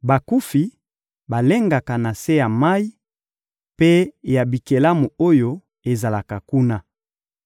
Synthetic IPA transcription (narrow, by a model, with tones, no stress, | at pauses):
ba˨ku˦fi˨ | ba˨le˦ŋɡa˨ka˨na˨se˦ja˨ma˦i˦ | pe˦ja˨bi˨ke˨la˦mu˨o˦jo˦ | e˨za˨la˨ka˨ku˦na˦